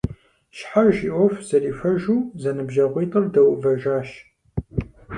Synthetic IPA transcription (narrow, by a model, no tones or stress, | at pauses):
ʃħaʒiʔʷɔfz̥ɐriːfʷɐʒuːzɐnɨbʒɐʁʷiːtʼɐrdɐwʊvɐʒaːʃ